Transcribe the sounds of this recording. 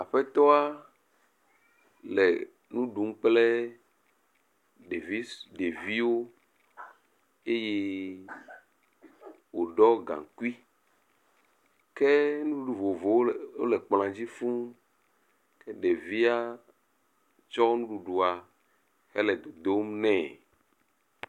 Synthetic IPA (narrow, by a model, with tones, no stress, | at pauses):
a˨ɸɛ˦t̪ɔ˦a˦ | lɛ˨ | nũ˦ɖu˨m̩˦k͡plɛ˦ | ɖe˨vi˦ɖe˨vi˦wo˦ | e˦je˦ | wo˨ɖɔ˦ɡã̰˨ŋ˨ku˦i˦ | kɛ˦nũ˦ɖu˨vo˨vo˨wo˦wo̰˦lɛ˨k͡pl̃ã˨d͡ʑi˦fũ˦ | kɛ˦ɖe˨vi˦a˦ | t͡ʃɔ˦nũ˦ɖu˨ɖu˨a˨ | hɛ˦lɛ˨d̪o˨d̪o˦mnɛ̃˦˨